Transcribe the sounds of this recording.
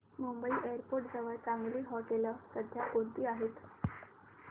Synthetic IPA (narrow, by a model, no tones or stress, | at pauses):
mumbəiːʔeəɾpoɾʈd͡zəʋəɭt͡sãŋɡliːɦɔkeləsəd̪ʱjakoɳt̪iːaɦet̪